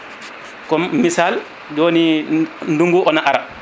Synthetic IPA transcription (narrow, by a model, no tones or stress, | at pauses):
kɔmisal | d͡ʒoːninduŋɡuʔɔnaʔaɾa